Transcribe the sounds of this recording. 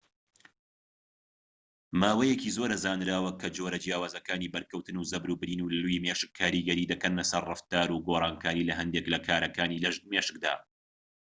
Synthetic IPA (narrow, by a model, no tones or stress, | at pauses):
maːwɐjɛkiːzoɾɐzaːnɾaːwɐkʰɐd͡ʒoɾɐd͡ʒjaːwaːzɐkaːniːbɐɾkɐwt̪ɨnuːzɐbɾuːbɾiːnuːlluiːmeʃɨkʰːaːɾiːɡɐɾiːd̪ɐkɐnlɐsɐrrɨft̪aːɾuːɡoːrˤɑːnkʰaːɾiːlɐɦɐnd̪eklɐkʰaːɾɐkaːniːlɐʒmeʃɨk̚d̪a̰ː